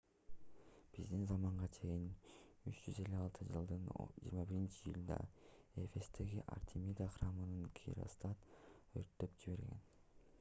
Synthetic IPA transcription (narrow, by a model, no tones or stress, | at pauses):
b̥izd̪inzɑmɑɴʁɑt͡ʃʰe̞jinyt͡ʃd͡ʒyze̞lʲːyɑlˠt̪ʰɯd͡ʒɯlˠd̪ɯn̰d͡ʒḭːɾmɑbiɾint͡ʃijulˠd̪ɑ̰e̞fe̞st̪e̞ɡiʔa̰rt̪ʲʰimʲid̪aχrɑmɯnɯŋkʲʰḭɾo̰st̪ɑt̪ø̰ɾt̪ːø̞pd͡ʒiβe̞ɾɡe̞̰n